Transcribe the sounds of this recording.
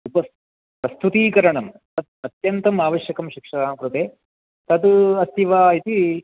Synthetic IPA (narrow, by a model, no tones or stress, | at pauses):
upɐs | pɾɐst̪ʰut̪iːkɐɾɐɳɐmt̪ɐd̪̚ɐt̪jɐnt̪ɐmaːʋɐʃjɐkɐmʃikʂɐaːmkɾut̪eː | t̪ɐd̪ɐst̪iʋaːit̪i